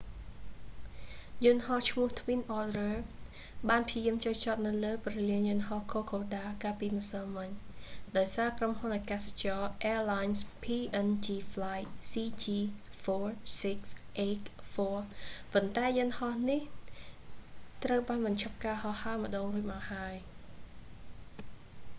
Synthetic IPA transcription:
jʊ̆ənhɑht͡ɕʰmʊ̆əht̪ʰwinʔɔdrəː | ɓaːnpʰiəjiəmt͡ɕoːt͡ɕɑt̪̚nɨwləːprɑliəŋjʊ̆ənhɑhkʰoːkʰoːɗaːkaːpiːməsəmɨɲɗaɔjsaːkromhunʔakast͡ɕɑːʔɛəlajnspʰiːʔənt͡ɕiːfʰlajtsiːt͡ɕiːfɔɹsiksʔeːkfɔːpont̪aɛjɨənhɑhnih | t̪rəwɓaːnmɨnt͡ɕʰop̚kaːhɑhhaəmə̆ɗoːŋruəc̚mahaəj

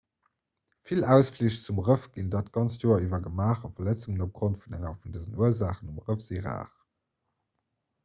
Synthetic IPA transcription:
filæʊsfliɕt͡sumʁəfɡ̥indaːtɡ̥ɑnt͡sjoːɐivɐɡəmaːχɑfɐlæt͡suŋənop̚ɡ̥ʁontfunæŋɐfundəzənuɐzaːχənumʁəfz̥iʁa̰ːχ

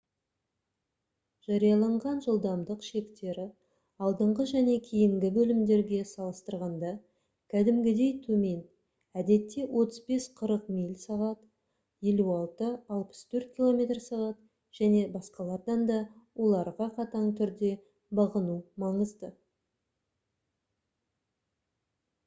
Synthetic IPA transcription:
ʒ̥ɑɾijɑlˠɑɴʁɑnʒəlˠd̪ɑmd̪əqʃe̞kt̪e̞ɾɪ | ɑlˠd̪əɴʁəʒæne̞kʲʰijɪmɡʲɪbɵlɪmd̪e̞ɾɡʲe̞sɑlˠəst̪əɾʁɑnd̪ɑ | kʲʰæd̪ɪmɡʲɪd̪e̞jt̪ʰɵme̞n | æd̪e̞t̪ːe̞wʔo̞t̪əzbe̞sqʰəɾəqmijlʲsɑʁɑt̪ | je̞luɑlˠt̪əɑlˠpə̥st̪ʰɵɾt̪̚kʲilˠo̞mʲe̞t̪rsɑʁɑt̪ | ʒ̥æne̞bɑsqɑlˠɑɾd̪ɑnd̪ɑwʔo̞lˠɑɾʁɑqʰɑt̪ɑɴt̪ʰʏɾd̪e̞ | bɑʁənumɑɴəzd̪ə

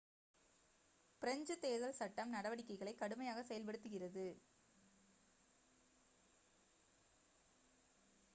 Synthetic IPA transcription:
pɪɾɐɲd͡ʒɯt̪eːðɐlsɐʈːɐmnɐɽɐʋɐɽɪkːɐɪɣɐɭɐɪkːɐɽɯmɐjaːɣɐsɛjɐlp̬ɐɽɯt̪ːɯɣɪrɐðɯ

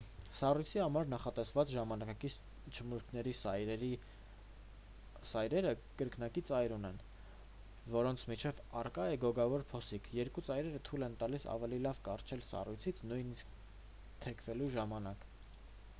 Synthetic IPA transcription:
sɑrujt͡sʰihɑmɑɾnɑχɑt̪ɛsvɑt͡sʒɑmɑnɑki | t͡ʃʰəmuɾkʰnɛɾisi | sɑjɾɛɾəkəɾknɑkit͡sɑjɾunɛn | vɔɾɔnt͡sʰmit͡ʃʰɛvɑrkɑjɛɡɔɡɑvɔɾpʰɔsikʰjɛɾkut͡sɑjɾɛɾət̪ʰulɛnt̪ɑlisɑ̰vɛlilɑvkɑrt͡ʃʰɛlsɑ̰rujt͡sʰit͡sʰnujnisk | t̪ʰɛkʰvɛluʒɑmɑnɑk

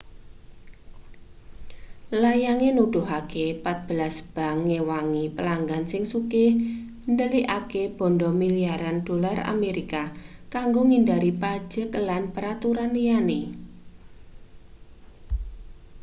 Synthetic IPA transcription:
lajaŋenuɖ̥ʊ̤ɦakepat̪̚b̥əlasb̥a̤ŋːewaŋipəlaŋɡansɪŋsuke | ndəliʔakeb̥ɔ̤ndɔmiliaɾand̥o̤lara̰meɾikakaŋɡoŋindaɾipḁd͡ʒ̥əklanpəɾat̪uɾanlijane

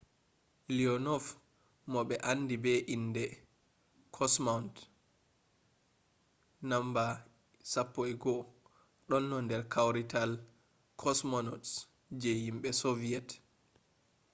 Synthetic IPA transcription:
liɔnɔf | mɔɓɛʔanːdibɛʔindɛ | kʰɔsmawnt | namba | sapːɔɛɡɔ | ɗɔnːɔndɛɾkʰawɾital | kʰɔsmɔnɔts | d͡ʒɛhimɓɛsɔviɛt

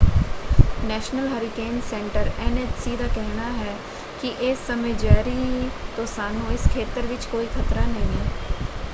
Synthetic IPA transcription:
nɛːʃnəlɦɐɾikeːnsɛ̃ɳʈəɾɛneːtsid̪akɛɦnaɦɛː | kiʔɪːsːɐməjd͡ʒɛːɾit̪oːsaːnõɪskʰeːt̪əɾʋɪt͡ʃkoːikʰɐt̪ɾanɐɦĩɛ

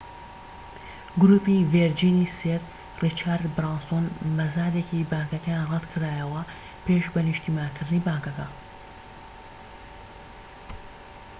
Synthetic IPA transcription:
ɡɾuːpiveɾd͡ʒiːniseɾ | rit͡ʃʰaːɾd̪bɾaːnsonmɐzaːd̪ekibaːŋkɐkɐjaːnrɛt̪kʰɨɾaːjɐwɐ | pʰeːʃbɐniʃt̪iːmaːnkʰɨɾd̪ɨniːbaːŋkɐkɐ

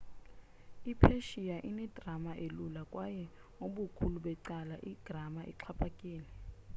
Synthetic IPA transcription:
ipʰeʃijaʔinɛd̥ʱramaʔelulakʼwajɛ | ŋoɓukʰuluɓɛǀalaʔid̥ʱramaʔḭǁʰapʰʼakʼiːlɛ

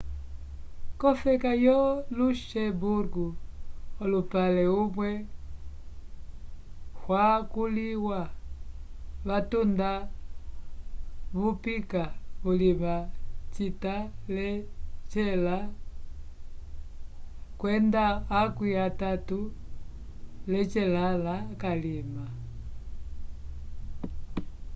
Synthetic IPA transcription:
kɔfɛkajɔluʃɛbuɾɡuɔlupalɛumwɛ | hwakuliwa | βatunda | βupikaβulimat͡ʃitalɛt͡ʃɛla | kwɛndaːkwiatatu | lɛt͡ʃɛlalakalima

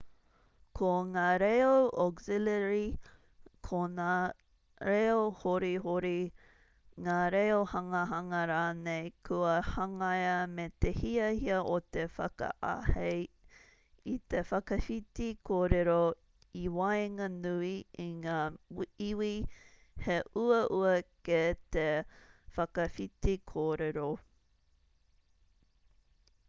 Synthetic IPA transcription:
kʰoŋaːɾejowʔɔɡzileɾi | kʰona | ɾejohoɾiɦoɾi | ŋaːɾejohɐŋəɦɐŋɐɾaːnejkʰuɐhɐŋɐjɐmet̪ehiɐhiɐʔot̪efɐ̰kɐ̰ʔa̰hej | it̪efɐkɐfit̪ikʰoːɾeɾo | iwɐjŋɐnuiiŋaːiwi | heʔuɐʔuɐket̪efɐkɐfit̪ikʰoːɾeɾo

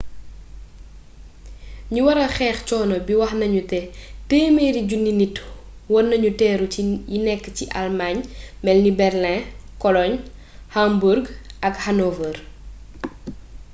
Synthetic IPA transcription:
ɲuwɐɾɐxɛːxcɔːnɐbiwɐxnɐɲutɛteːmeɾiɟunːinitwɔnːɐɲutɛːɾujinɛkːəciʔalmaɲmɛlnibɛrlɛ̃kɔlɔɲ | hambuɾɡʔɐkhanɔvər

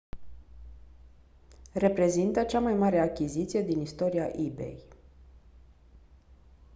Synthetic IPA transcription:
re̞pɾe̞zint̪ət͡ʃamajmaɾeakʲizit̪sije̞d̪inist̪o̞ɾiaʔibe̞̰j

